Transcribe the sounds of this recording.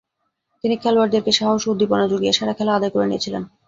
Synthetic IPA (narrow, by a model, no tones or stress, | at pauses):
t̪inikʰɛlowaɾd̪eɾkeʃaɦoʃud̪ːiponad͡ʑoɡiaʃaɽakʰɛlaad̪ajkoɾenijet͡ɕʰilḛn